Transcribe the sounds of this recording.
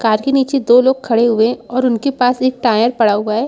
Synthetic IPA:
kaːɾkeniːt͡ʃed̪oːloːɡ̚kʰɐɽeɦʊeɔːɾʊnkepaːseːk̚ʈaːjəɾpɐɽaɦʊaɦɛː

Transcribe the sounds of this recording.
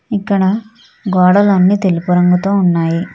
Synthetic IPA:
ikːɐɽɐ | ɡɔːɽɐlonːit̪e̞lupuɾɐŋɡut̪o̞ːunːaːji

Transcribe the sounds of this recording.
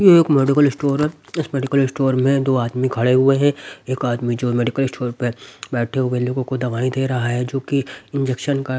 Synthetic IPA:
jeeːkmeːɖɪkəlɪsʈoːɾɪsmɛːɖɪkəlɪsʈoːɾmẽd̪oːaːd̪mikʰɐɽeɦʊeɦɛ̃eːkaːd̪mid͡ʒoːmɛːɖɪkəlɪsʈʰoːɾpebɛːʈʰeɦʊeloːɡõkod̪ɐʋaːid̪eːɾɐɦaɦɛd͡ʒoːkiɪ̃nd͡ʒɛkʃənka

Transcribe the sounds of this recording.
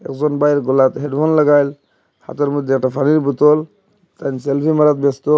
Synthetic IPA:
ɛ̰kzɔnbajɾɡɔlat̪ɦeɖbʰɔnlaɡajl | ha̰t̪aɾmod̪ʱːeɛk̚ʈapʰaniɾbut̪ɔl | t̪anselpʰimaɾat̪̚best̪ɔ

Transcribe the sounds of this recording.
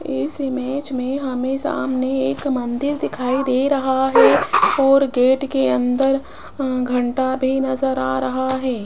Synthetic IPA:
ɪ̰sɪmeːd͡ʒmẽɦɐmẽsa̰ːmneeːkmɐ̃nd̪ɪɾd̪ɪkʰaːid̪eɾɐɦaɦɛɔːɾɡeːʈkeɐ̃nd̪əɾ | ɡʱɐ̃ɳʈabʱinɐzəɾa̰ːɾɐɦaɦɛː

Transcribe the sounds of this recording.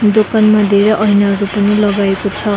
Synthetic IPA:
d̪okanmad̪eɾʌʔʌjnaɾupʌnilʌɡaekot͡sʰʌ

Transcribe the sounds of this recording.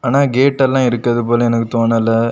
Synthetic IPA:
aːnaːɡeːʈːɛlːãːɪɾɯkːɾɐðɯp̬oːlɐɛnɐkːɯt̪oːnɐlːɐ

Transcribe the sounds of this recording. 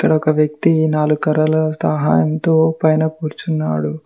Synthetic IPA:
ikːɐɽɐɔkɐʋjɐkt̪inaːluɡkɐɾɐlɐsɐɦa̰ːjɐmt̪oːpɐjnɐpuːɾt͡ʃunːa̰ːɽu

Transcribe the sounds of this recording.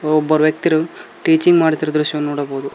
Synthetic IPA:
ɔbːɐɾuʋjɐkt̪iɾuʈiːt͡ʃiŋɡmaːɽit̪iɾɐd̪ɾuʃjɐnːuːɽɐboːd̪u

